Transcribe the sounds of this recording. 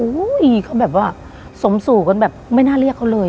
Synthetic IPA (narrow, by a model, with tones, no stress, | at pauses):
uː˧˦i˨˩kʰa˥˩bɛː˨˩p̬̚waː˥˩ | so˩˦msuː˨˩ka˧nbɛː˨˩p̚ma˥˩jnaː˥˩li˥˩ək̚ʰːa˦˥˩wlɤː˧